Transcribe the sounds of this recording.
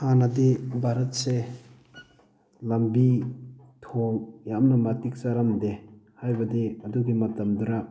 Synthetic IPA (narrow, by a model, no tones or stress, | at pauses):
hanad̪ebʱaɾɐt̚se | lɐmbi | tʰoŋjamnɐmatik̚t͡ʃaɾamd̪ehajbɐd̪eɐd̪uɡimɐtɐmd̪uɾa